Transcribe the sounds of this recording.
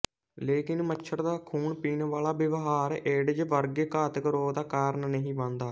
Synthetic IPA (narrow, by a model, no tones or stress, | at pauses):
leːkɪnmət͡ʃʃʰəɾd̪aːkʰuːɳpiːnʋaːlaːbɪʋɦaːɾeːɖd͡ʒʋəɾɡeːkaːt̪kəɾoːd̪aːkaːɾənnəɦĩːʋãːnd̪aː